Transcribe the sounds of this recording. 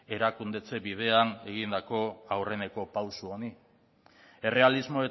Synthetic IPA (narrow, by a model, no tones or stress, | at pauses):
e̞ɾakund̪e̞t͡se̞βið̞e̞ane̞ɣind̪ako̞awre̞ne̞ko̞pawsuo̞ni | e̞re̞alizmo̞e